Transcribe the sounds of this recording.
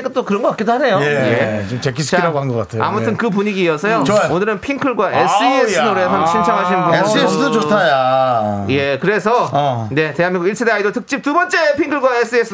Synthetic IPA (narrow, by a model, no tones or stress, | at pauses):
ik͈at͈okɯɾʌnɡʌkakidoɦane̞joejet͡ɕomt͡ɕek̬ʰis̬ʰɯ̥t͡ɕaiɾaɡoɦanɡʌk͈atʰea̰mutʰɯnkɯp̬uɲiɡiːʌsʰʌjot͡ɕojonɯɾɯnpʰiŋkʰɯɭɡwaʔes͈ɯesɯdoɾesʰanɕʰint͡ɕʰʌŋɦaɕʰinɯnɡoesesɯdot͡ɕotʰajaje̞kɯɾe̞sʰʌne̞te̞ɦanmiŋɡuɡiɭsʰedeaidotʰɯk̚t͡ɕ͈ip̚tubʌnt͡ɕ͈e̞pʰiŋkʰɯɭɡwaes͈ʰɯesʰɯ